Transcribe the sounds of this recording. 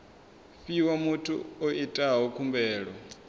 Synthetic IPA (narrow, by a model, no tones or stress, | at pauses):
fiwamutʰṵoʔitʼaɦɦɔkʰumbɛːɺɔ